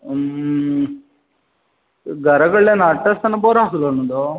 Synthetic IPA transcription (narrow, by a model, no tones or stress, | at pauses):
ɡɐɾɐɡɐɭenɐʈːɐst̪ɐnːɐboːɾaːsulonːud̪o